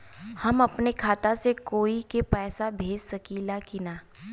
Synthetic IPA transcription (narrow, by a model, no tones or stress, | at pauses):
hɐmɐpnekʰaːt̪asekoːikepɛːsabʱeːd͡ʒsɐkilakinaː